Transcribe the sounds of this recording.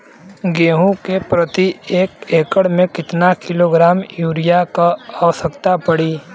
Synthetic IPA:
ɡeːɦũkepɾɐt̪ieːkeːkəɽmẽkɪt̪nakɪloɡɾaːmjuːɾɪjakaaːʋəsəkt̪apɐɽiː

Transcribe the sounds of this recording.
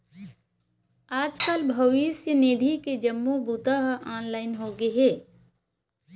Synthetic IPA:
aːd͡ʒkaːlbʱəʋɪsjəneːd̪ʱiked͡ʒɐmːubut̪aɦaːnlaːɪnɦoːɡeɦɛː

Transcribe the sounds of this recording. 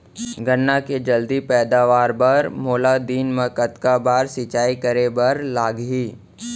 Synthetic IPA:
ɡənːaked͡ʒɐld̪ipɛːd̪aːʋaːɾbɐɾmoːlad̪iːnmẽkɐt̪kabaːɾsɪt͡ʃaːikəɾebɐɾlaːɡɦiː

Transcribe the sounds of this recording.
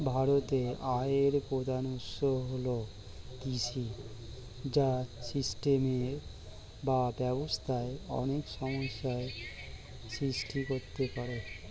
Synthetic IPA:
bʱaɾot̪eʔaeɾpɾod̪ʱanut̪ʃoɦolo | kiʃʰi | d͡ʑasisʈemeɾ | babɛbost̪ʰaeɔ̰nekʃɔmoʃːae | sɾisʈʰikoɾt̪epaɾe

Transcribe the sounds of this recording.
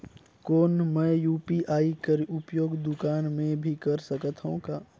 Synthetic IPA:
koːnmɛ̃ːjuːpiʔaːikɐɾʊpjoːɡd̪ʊkaːnmẽbʱikɐɾsəkət̪ɦũkaː

